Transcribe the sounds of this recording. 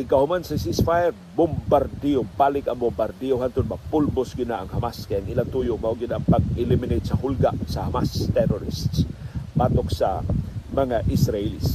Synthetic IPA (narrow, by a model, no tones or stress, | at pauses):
ʔɪkahʊmansasisfajɛɾ | bʊmbaɾd̪iobalɪkɐŋbʊmbaɾd̪ioɦant̪ʊd̪̚mɐpʊlbʊsɡɪnaːŋhɐmaskajaŋɪlant̪ujʊmahʊɡɪnaŋpɐɡ̚ɪlɪmɪnet̪̚sɐhʊlɡasɐhamast̪ɛɾɔɾɪ̰st̪spaːt̪oksa̰mɐŋaʔɪsɾailḭs